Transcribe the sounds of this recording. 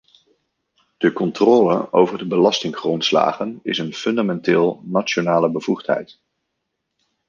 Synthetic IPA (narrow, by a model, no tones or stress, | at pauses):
d̥əkɔntrɔːlə̰owvəɹdəbəlɑstɪŋχrɔntsla̰ːχənɪsənfɵndamɛntɪːlˠnaonaːləbəvuχtɦɛ̰jt